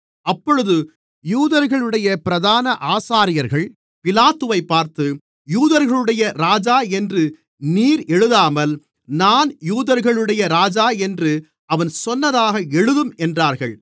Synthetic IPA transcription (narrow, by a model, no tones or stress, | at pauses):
ɐpːɔɻɯðɯ | juːðɐɾɣɐɭɯɽɐjɐpɪɾɐðaːnɐʔaːsaːɾɪjɐɾɣɐɭ | pɪlaːt̪ːɯʋɐɪpːaːɾt̪ɯ | juːðɐɾɣɐɭɯɽɐjɐɾaːd͡ʒaːɛndrɯ | niːɾɛɻɯðaːmɐl | naːnjuːðɐɾɣɐɭɯɽɐjɐɾaːd͡ʒaːɛndrɯ | ʔɐʋɐnsɔnːɐðaːɣɐɛɻɯðɯmɛndraːɾɣɐɭ